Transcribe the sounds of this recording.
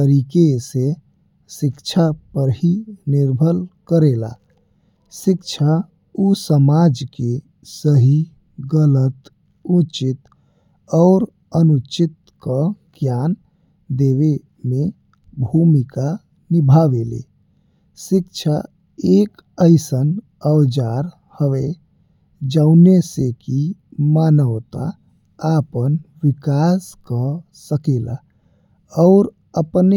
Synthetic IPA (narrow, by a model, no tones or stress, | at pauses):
t̪əɾikese | sikt͡ʃʰapəɾɦiniɾbʱəlkəɾela̰ | sikt͡ʃʰa | usəmad͡ʒke | səɦi | ɡələt̪ | ũt͡ʃit̪ | ɔʊɾ | ənut͡ʃɪt̪̚ | kəɡ̥jan | d̪eβe | me | bʱumika | nibʱaʋelḛ | sik̚t͡ʃʰa | ek | əɪsən | əwd͡ʒaɾ | həʋe | d͡ʒəʊnesekimanəwt̪aː | pənʋikaskə | səkela̰ | ɔʊɾ | əpne